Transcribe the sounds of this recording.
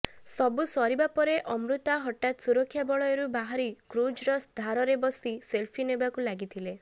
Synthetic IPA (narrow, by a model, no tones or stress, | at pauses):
sɔbusɔɾibapɔɾeʔɔmɾut̪aɦɔʈat̪suɾɔkʰːjabɔɭɔjɔɾubaɦaɾikɾud͡ʒɾɔsd̪ʱaɾɔɾebɔsiselpʰinebakulaɡit̪ʰile